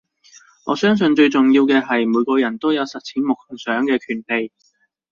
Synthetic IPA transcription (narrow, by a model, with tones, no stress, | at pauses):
ŋɔː˨˧sœː˥ŋs̬ɵ˧nt͡ʃɵ˧ɥt͡sʊ˨ŋjiː˧wkɛː˧ɦɐ˨jmuː˨˧jkɔː˧jɐ˨˩nt̪o˥wjɐ˨˧wsɐ˨t̚t͡sʰiː˨˥nmʊ˨k̚hsœː˨˥ŋkɛː˧kʰyː˨˩npe˨j